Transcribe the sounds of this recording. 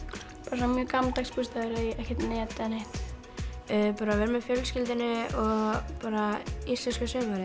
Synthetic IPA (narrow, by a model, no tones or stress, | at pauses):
paːɾs̬ɔnamjœːkamt̪akspust̪aðʏɾiɛhcɛt̪net̪ɛnejht̪ | œpaːɾavɛɾmɛðfjœlscɪlt̪ɪnɪɔɣpaːɾaisɛskʏsʏːvaɾɪ